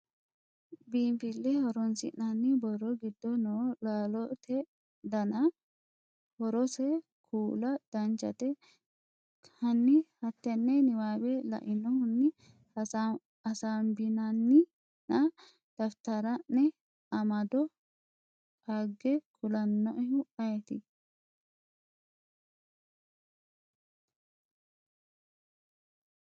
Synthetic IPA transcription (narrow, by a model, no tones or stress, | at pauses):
biːmpɪlːɛhɔɾɔnsɪ̰ʔnanːɪbɔrːɔɡɪd̪ːɔnoːlaːlɔt̪ʰɛ | d̪ɐnɐ | hɔɾɔsɛ | kʰuːlɐd̪̥ɐnt͡ʃɐ̰t̪ɛ | hɐnːɪhɐt̪ːɛnːɛnɪwaːbɛlɐ̰ʔɪnɔhʊnːɪ | ɐ | ɐsaːmbɪnɐnːɪ | nɐ | d̪̥ɐft̪ɐɾɐnːɛ | ɐmɐd̪ɔ | aɡːɛkʰʊlɐnːɔʔɛɦʊɐjɛt̪ɪ